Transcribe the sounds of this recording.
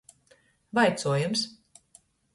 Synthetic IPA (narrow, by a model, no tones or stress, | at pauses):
vajt̪suɔjums